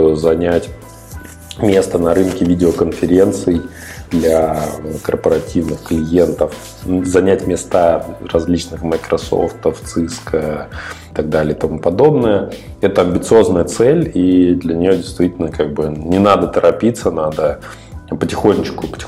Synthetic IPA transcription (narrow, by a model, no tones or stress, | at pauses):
zɐnʲætʲ | mʲe̞st̪ənɐɾɨnkʲɪvʲidʲɪokənfʲɪɾʲe̞nt̪sɨj | d̪lʲaəkərpəɾɐtʲivnɨxklʲɪje̞nt̪əf | zɐnʲætʲmʲɪst̪arɐzʲlʲit͡ɕnɨxməjkɾɐso̰ft̪əft̪sɨskət̪aɡ̚d̪alʲɪjɪt̪ɐmupɐd̪o̞bnəjəɛt̪əɐmʲbʲɪt̪sɨo̞znəjət̪sɛlʲid̪lʲənʲɪjo̞dʲɪjst̪vʲitʲɪlʲnəkaɡ̚bɨnʲɪnad̪ət̪əɾʔɐpʲit̪sənad̪ə | pətʲɪxonʲːɪt͡ɕkʊpə̥tʲɪ